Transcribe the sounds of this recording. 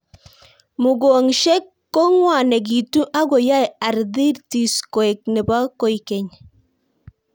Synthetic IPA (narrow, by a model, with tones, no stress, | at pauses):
mu˨ɡo˨ŋʃɛ˦kːo˦ŋwa˨nɛ˨ɡ̬i˨tu˦ʔa˦ɡo˨ja˦ja˨ɾði˦ɾti˨skɔ˨ɛ˨k̚nɛ˨ba˦ko˨jkɛ˨ɲ